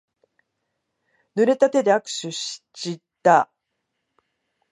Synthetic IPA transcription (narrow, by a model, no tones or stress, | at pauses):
nɯ̟ɾe̞t̪at̪e̞d̪e̞akɯ̥ɕɨɕi̥t͡ɕit̪ːa